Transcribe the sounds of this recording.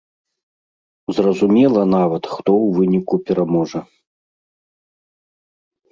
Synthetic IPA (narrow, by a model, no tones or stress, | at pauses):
zrɐzumʲɛlˠɐn̪avɐt̪xt̪ɔwvɨnʲikupʲɛɾamɔʐɐ